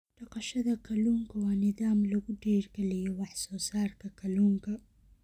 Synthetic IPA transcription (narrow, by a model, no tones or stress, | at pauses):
ɖɐqɑʃɐðɐkʰɐluːŋkʰɐwɑːnɪðaːmlɐɣʊɖɛːrɡɛlɛjɔwɑħsɔːsaːrkʰɐkʰɐluːŋkʰɐ